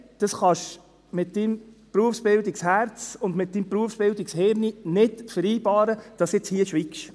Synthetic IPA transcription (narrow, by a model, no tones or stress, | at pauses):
d̪̥ɑsχɑʃ | mɪt̚dimpɾuəfsb̥ɪld̪ikshæɾt͡sʊndmɪt̚dimpɾuəfsb̥ɪld̪iksheːɾninɪtfəɾiːbɑːɾəd̥ɑsɪt͡shiəʃʋikʃ